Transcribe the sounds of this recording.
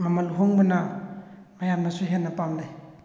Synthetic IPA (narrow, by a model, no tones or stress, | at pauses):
mamaluɦuŋbana | majambasuɦenapamdaj